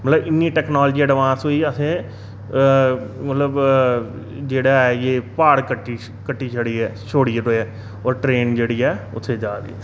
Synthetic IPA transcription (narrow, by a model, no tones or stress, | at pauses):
mət̪ləbɪnːiːʈɛːknaːld͡ʒiːɛːɖɪʋãːsoːiəsẽː | mət̪ləb | d͡ʒeːɽaːɛjeːpaːɽkəʈːiː | kəʈːiːt͡ʃʰəɽiːɛːʃʰoːɽiɾoːɛː | ɔːɾʈɾeːnd͡ʒeːɽiːɛːʊt̪ʰːeːd͡ʒaːɾḛːɛː